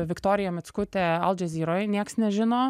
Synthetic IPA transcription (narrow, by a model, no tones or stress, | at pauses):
ʋʲɪkt̪oːɾʲɪjɛmʲɪt̪skʊt̪ʲɛɐlˠd͡ʒʲɛzʲiːɾojnʲiɛksnʲɛʒʲɪnoː